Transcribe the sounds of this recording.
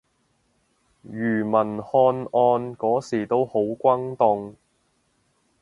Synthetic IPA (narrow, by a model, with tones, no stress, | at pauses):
jyː˨˩mɐ˨˩nhɔː˧nɔː˧nkɔː˨˥siː˨˩t̪o˥who˨˥wkʷɐ˥ŋt̪ʊ˧ŋ